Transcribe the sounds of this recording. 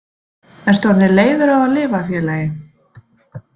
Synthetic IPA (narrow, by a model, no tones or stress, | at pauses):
ɛnst̪vɔɾðɪleːjðʏɾaðalɪːvafjɛːlaːjɪn